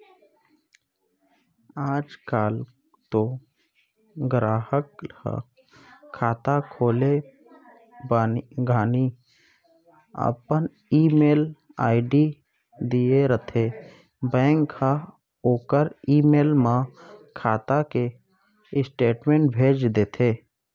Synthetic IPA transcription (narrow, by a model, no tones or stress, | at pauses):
aːd͡ʒkaːl | t̪o | ɡɾaːhəka̰ | kʰaːt̪akʰoːle | baɡaːni | ə̰pən | iːmeːl | aːɪɖi | d̪ijeɾət̪ʰe | bɛ̃ːŋka | oːkəɾiːmeːlmãkʰaːt̪ake | ɪsʈeːʈmẽːɳʈ̚bʱeːd͡ʒd̪eːt̪ʰeː